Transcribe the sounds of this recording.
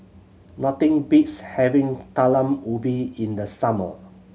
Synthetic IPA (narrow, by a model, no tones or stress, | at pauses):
nɔtĩŋbitshɛvĩŋtalə̃mubiĩndəsamə̰